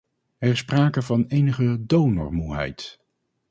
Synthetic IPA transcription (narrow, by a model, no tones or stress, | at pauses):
ɛɹɪspraːkəvɑnejnəχədownɔ̰ɹmuɦɛ̰jt